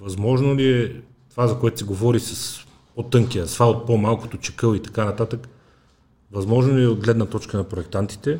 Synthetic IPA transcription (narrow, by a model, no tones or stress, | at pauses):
vɐzmɔʒnoliɛ | t̪ovazɐkoɛt̪ʊ̥sɛɡovɔɾisɐs | pot̪ɤŋkiɐsvaot̪̚pomalˠko̥t̪ot͡ʃɛ̥kɤlˠit̪ɐkanɐt̪at̪ək | vɐzmɔʒnoliɛod̪ɡlɛd̪nət̪ɔt͡ʃkənɐpɾoɛk̚t̪ant̪i̥t̪ɛ